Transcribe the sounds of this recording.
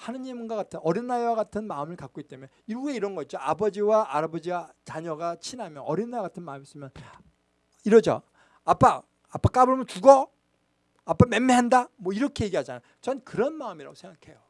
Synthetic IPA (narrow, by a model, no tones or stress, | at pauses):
hanɯɲiemunɡaɣatʰɯnʌɾinːajwaɡatʰɯnmaɯmɯɭkak͈oɡit͈emjʌ | iɾueiɾʌnɡʌitt͡ɕ͈oa̰bʌd͡ʑiwaʔaɾabʌd͡ʑiɡat͡ɕaɲʌɡat͡ɕʰinɦamjʌnʌɾinːajɡatʰɯnmamis͈ɯmjʌn | iɾʌd͡ʑʌ̰ | ap͈aː | p͈ak͈abɯɭmʌnt͡ɕuɡʌ | ap͈ːamemːeɦandamwʌiɾʌkʰe̞je̞ɡiɦad͡ʑanaj | t͡ɕʌnkɯɾʌnmaɯmiɾa̰ɡosʰeŋɡakʰe̞jo